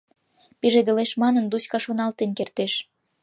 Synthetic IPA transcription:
piʒed̪ĕleʃmɑnənd̪uskɑʃonɑlt̪enkert̪eʃ

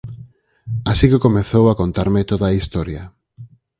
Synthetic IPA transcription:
asikɪkomeθowakont̪aɾmɪt̪oðaist̪oɾjɐ

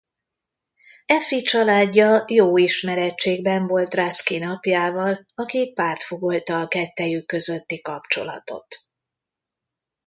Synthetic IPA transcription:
ɛfit͡ʃɒlaːɟːɒjoːiʃmɛɾɛt͡ʃːeːɡ̚bɛɱvo̞lt̪raskinɒpjaːvɒlɒkipaːrt̪foɡolt̪ɒːkɛt̪ːɛjykːø̞zø̞t̪ːikɒpt͡ʃo̞̰lɒ̰t̪o̞̰t̪

